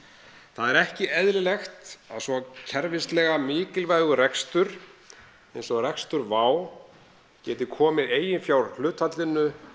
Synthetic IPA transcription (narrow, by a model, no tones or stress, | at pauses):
θaðɛɾɛhcɪɛðɾɪlɛxt̪a̰ðsvɔcʰɛɾvɪst̪lɛːɣamɪːcɪlvajɣʏrɛkst̪ʏɾ̥ | ejnsɔɣrɛkst̪ʏɾvaːw | cɛːt̪ɪkʰɔːmɪðeːjɪnfjawɾ̥l̥ʏːt̪hat̪lɪnːʏ